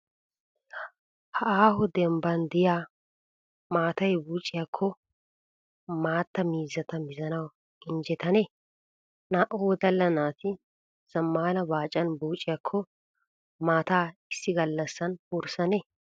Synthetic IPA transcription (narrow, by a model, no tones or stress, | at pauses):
hɐʔaːhʊd̪ɛmbɐnd̪ɪjaː | maːt̪ɐjbuːt͡ʃʼːɪjakʰːɔ | maːt̪ːɐmiːzɐt̪ɐmɪzɐnɐw | ɪnd͡ʒɛt̪ɐneː | naːʔoːd̪ɐlːɐnaːt̪ɪ | z̥ɐmːaːnɐbaːt͡ʃʼːɐnbuːt͡ʃʼːɪjakʰːɔ | maːt̪aːɪsːɪɡɐlːɐsːɐnʊɾsɐneː